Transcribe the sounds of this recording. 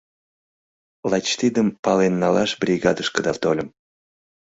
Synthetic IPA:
lˠɑt͡ɕt̪id̪əmpɑlenːɑlɑʃbrʲiɣɑd̪əʃkəd̪ɑt̪olʲəm

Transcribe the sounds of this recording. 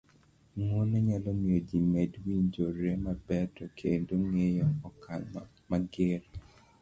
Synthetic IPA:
ŋonɛɲalɔmiod͡ʒimedwiɲd͡ʒoɾemabɛtɔkʰendoŋejɔɔkan | maɡɪɾ

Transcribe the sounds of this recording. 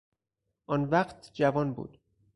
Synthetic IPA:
ʔɒnvæqt̪ʰd͡ʒævɒːnbṵːd̪̥

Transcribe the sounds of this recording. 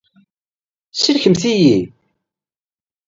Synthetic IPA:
siɾçəmθiji

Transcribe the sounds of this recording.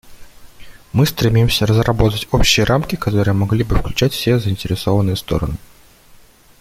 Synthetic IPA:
mɨst̪ɾʲɪmʲimsʲərəzrɐbo̞t̪ətʲo̞pɕɪjəɾʔamkʲɪkɐt̪o̞ɾɨjəmɐɡlʲibɨfklʲʉt͡ɕætʲfsʲezəɪnʲtʲɪɾʲɪso̞vənːɨjəst̪o̞̰ɾə̰nɨ

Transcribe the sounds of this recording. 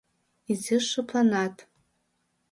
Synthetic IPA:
izɨʂɨpʰlanatʼ

